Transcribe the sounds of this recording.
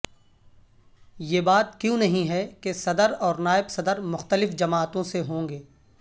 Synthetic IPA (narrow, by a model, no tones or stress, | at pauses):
jeːbaːt̪̚kjũːnɐɦĩɦɛkesɐd̪əɾɔːɾnaːɪbsɐd̪əɾmʊxt̪əlɪfd͡ʒɐmaːt̪õseɦõːŋɡeː